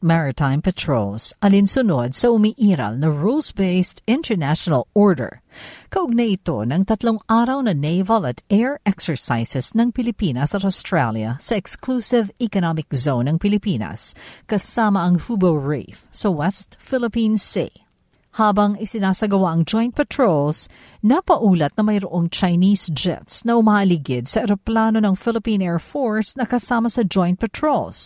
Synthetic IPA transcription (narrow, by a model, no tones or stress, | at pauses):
mɛɹɪt̪ãjmpɛt̪ʰɹolsʔɐlɪnsʊnod̪̚sɐʊmiʔiːɾɐ̰lnɐɹulsbeɪst̪ɪ̃nt̪ɛɹnaʃonɐloɹd̪ɛ̰ɹkɐʔʊɡ̚nɐʔɪt̪o̞̰nɐŋt̪ɐt̪loŋaːɾɐwnɐnejvɐlɐt̪ʔɛɹɛksɛɹsajsɛsnɐŋpɪlɪpiːnɐsɐt̪ost̪ɹaljɐ̰sɐʔɛksklusɪvɛkonamɪkzownɐŋpɪlɪpiːnɐ̰skɐsaːmɐɐŋfubɔlɹḛfsɐwɛst̪fɪlɪpĩnsḭ | haːbɐŋɪsɪnaːsɐɡɐwaʔɐŋd͡ʒɔjnt̪̚pɛt̪ɹols | nɐpɐʔuːlɐt̪̚nɐmɐjɾoʔoŋt͡ʃɐjniːsd͡ʒɛ̰t̪snɐhʊmaʔɐliɡɪd̪̚sɐʔɛɾoplaːno̞nɐŋfɪlɪpĩnɛːɹfoɹsnɐkɐsaːmɐsɐd͡ʒɔjnt̪̚pɛt̪ɹols